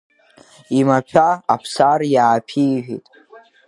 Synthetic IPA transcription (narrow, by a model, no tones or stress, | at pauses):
imapʰᶣaapʰsarjaːpʰiʒʷᶣḭtʼ